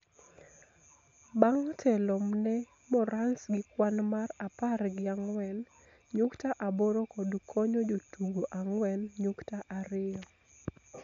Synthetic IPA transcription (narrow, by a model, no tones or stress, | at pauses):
baŋtʰɛlɔmnɛ | mɔɾansɡɪkwanmaraparɡɪaŋwɛn | ɲuktaʔaboɾokɔdkʰɔɲod͡ʒotuɡoʔaŋwɛnɲuktaʔaɾɪɔ